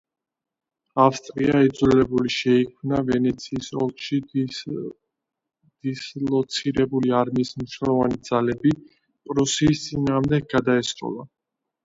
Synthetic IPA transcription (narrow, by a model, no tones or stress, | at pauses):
afst̪ʼɾiaid̪zwlɛlɛbuliʃɛikʰmnavɛnɛt̪sʰiːsɔ̰lˠkʃi | d̪̥islˠɔt̪sʰiɾɛbuliaɾmiːsmniʃnɛlˠɔvanid̪zalɛbi | pʼɾɔsiːst̪sʼinaːʁmd̪ɛɡ̚ɡad̪aɛsɾʼɔ̰lˠa